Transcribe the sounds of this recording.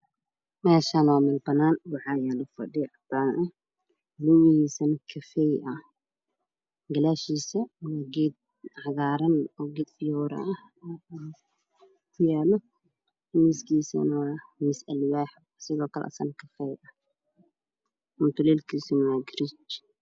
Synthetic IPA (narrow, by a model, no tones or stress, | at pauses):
mɛːʃanwaːmɪlbɐnaːnwɑħɑːjalʊfɐ̰ɖɪʕɑb̪aːnʔɛ | lʊwiisɐnkʰɐfɛjʔɐ | ɡɐlaːʃiːsɐwaːɡɛːd̪̚ | ʕɑɣaːɾɐnɔːɡɛːd̪fɪjɔːɾɐ̰ʔɐ | kʰʊjaːlɔ | ɪmiskʰiːsɐ̰nɐwaːmɪsɐlwaːħ | sɪðɔːkʰɐlɛ̰ʔɐsɐnkʰɐfɛjʔɐ | ʔʊnt̪ʊlɛːlkʰiːsɪnɐwaːɡɾit͡ʃ